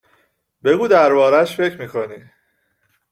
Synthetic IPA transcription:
be̞ɡuːd̪æɾbɒːɾæʃfe̞cʰɾmiːkʰo̞niː

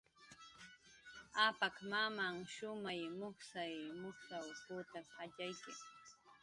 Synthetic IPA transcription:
apakmamaŋʃʊmajmʊχsajmʊχsawpʊt̪ahaʎajkɪŋ

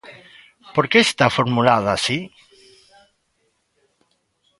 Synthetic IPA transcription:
poɾkeːst̪afoɾmulaðasi

